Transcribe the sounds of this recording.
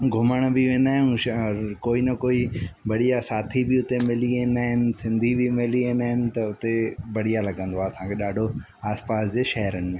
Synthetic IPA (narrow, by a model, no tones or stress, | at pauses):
ɡʱʊməɽ̃bɪʋẽːnd̪aːɦɪ̃ñ | koːinɐkoːibɐɽ̤ijasaːt̪ʰibɪʊt̪emɪliẽːnd̪aːɦɪnɪ̆sɪ̃nd̪ʱibɪmɪliẽːnd̪aːɦɪnɪ̆t̪ɐʊt̪ebɐɽijalɐɠə̃nd̪oɦaɐsãkʰeɗaːɖʱo | aːspaːsd͡ʑeːʃɐɦəɾənɪ̆mẽː